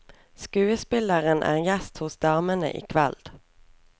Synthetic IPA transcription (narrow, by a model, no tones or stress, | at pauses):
skʉːəspɪləʁənʔæ̰ːʁjɛst̪hʊsd̪ɑʁmənə̰ʔḭːkʰʋɛld̪̥